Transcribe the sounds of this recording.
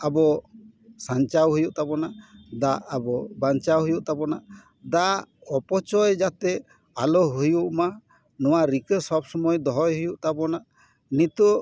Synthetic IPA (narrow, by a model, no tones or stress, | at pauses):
abɔ | sant͡ʃawɦujuʔt̪abɔnaʔd̪aʔabɔbant͡ʃawɦujuʔt̪abɔnaʔ | d̪aɔpɔt͡ʃɔjd͡ʒat̪ɛ | alɔɦujuʔma | nɔwaɾikəsɔb̚sɔmɔjd̪ɔɦɔjɦujuʔt̪abɔnaʔ | nit̪u